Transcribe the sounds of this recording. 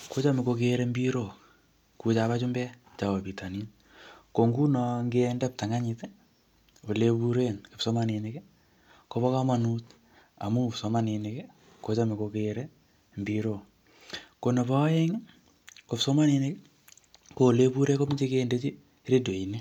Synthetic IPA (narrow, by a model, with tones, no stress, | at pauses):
ko˦t͡ʃa˦me˨ko˧keɾe˦mbi˦ɾo˦˨ | ku˨t͡ʃa˨βa˦t͡ʃʊ˦mbɛ˦t͡ʃa˨wo˨pi˨ta˨ni˦n | ko˨ŋɡu˦nɔ˨ŋɡendɛ˦p̚ta˨ŋa˦ɲi˨te˦ | o˨le˦pu˦ɾe˦nke˨pso˦ma˦ni˨ne˦ke˦ | ko˦βɔ˦ka˦ma˨nu˦t | a̰˨mu˦pso˨ma˦ni˨ne˨ke˦ | ko˨˦t͡ʃa˦me˨ko˧keɾe˦ | mbiɾo˦˨ | ko˨ne˨pɔ˦je˦ŋ | ko˨pso˦ma˦ni˨ne˦k | ko˨le˦bu˦ɾe˦ko˦mi˦d͡ʒe˦kende˦t͡ʃi˦ | ɾe˦do˨i˨ni˦